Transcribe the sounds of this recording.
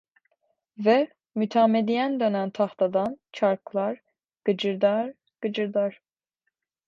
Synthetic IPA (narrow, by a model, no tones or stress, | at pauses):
vɛ | myt̪ʰɑːmed̪ijænd̪ø̞nænt̪ʰɑχt̪ʰad̪ɑnt͡ʃʰɑɾkʰlˠɑɾ | ɡ̥ɯd͡ʒɯɾd̪ɑɾ | ɡ̥ɯd͡ʒɯɾd̪ɑɾ̥